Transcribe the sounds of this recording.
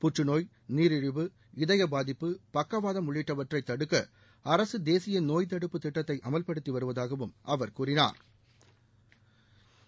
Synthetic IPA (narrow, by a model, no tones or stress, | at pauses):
pʊʈrɯnoːj | niːɾɪɻɯʋɯ | ɪðɐjɐbaːðɪpːɯpɐkːɐʋaːðɐmʊɭːɪʈːɐʋɐʈrɐɪt̪ːɐɽɯkːɐ | ɐɾɐsɯd̪eːsɪjɐnoːjt̪̬ɐɽɯpːɯt̪ːɪʈːɐt̪ːɐɪʔɐmɐlpɐɽɯt̪ːiʋɐɾɯʋɐðaːɣɐʋɯmʔɐʋɐɾkuːrɪna̰ːɾ